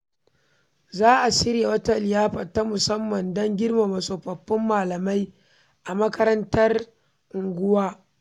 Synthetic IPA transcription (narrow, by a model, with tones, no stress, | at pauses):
zaː˦ʔa˨sɪ˦ɽja˨wɐ˦tɐ˨ljaː˦ɸɐ˨tːa˦mʊ˨sɐ˦mːɐ˨ndɐ˦ŋɡʲɪ˦rma˨mɐ˨soː˨ɸɐ˨ɸːɪ˦mːaː˨lɐ˨ma˦j | ʔa˨mɐ˦kɐ˦ɾɐ˦ntɐ˦r | ʔʊ˨ŋɡʷʊ˦waː˦